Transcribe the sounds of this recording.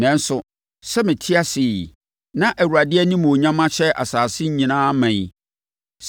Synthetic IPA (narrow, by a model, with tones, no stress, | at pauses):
nɛ̃˨˦n̩˦sʊ˨ | sɛ˦mɪ̃˨tʰɪ˦a˦sɪ˨ | nã˦ʔæ˨wu˨ɾa˨dɪ˦ɛ˦nĩ˦m˨o˨ɲã˦mã˦ɕʰɛ˦ʔa̰˨saː˨sɪ˦ɲ̩˦ɲĩ˨nãː˦mɛ̃˨i˨